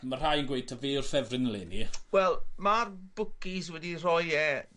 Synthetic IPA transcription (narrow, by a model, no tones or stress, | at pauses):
mar̥ajənɡwejtʰaveːʊrfɛvrɪnlɪniwɛlˠmarb̥ʊkiswɛdirɔjɛ